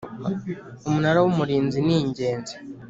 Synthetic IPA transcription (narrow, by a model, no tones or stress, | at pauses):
umunaɾawumuɾiːnziniːɲɟe̞ːnze